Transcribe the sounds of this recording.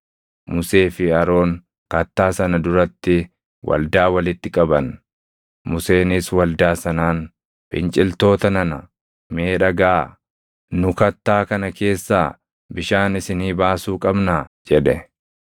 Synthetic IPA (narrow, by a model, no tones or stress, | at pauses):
mʊse̞ːfɪɐɾo̞ːŋ | kɐt̪ːaːsɐnɐd̪ʊɾɐt̪ːɪ | wʔɐ̰ld̪aːwɐlɪt̪ːɪkʼɐbɐn | mʊse̞ːnɪswɐld̪aːsɐnaːn | fɪ̰nt͡ʃʼɪlt̪o̞ːt̪ɐnɐnɐ | meːᶑɐɡaː | nʊkɐt̪ːaːkɐnɐke̞ːsːaː | bɪʃaːnɪsɪniːbaːsuːkʼɐbnaːd͡ʒɛᶑɛ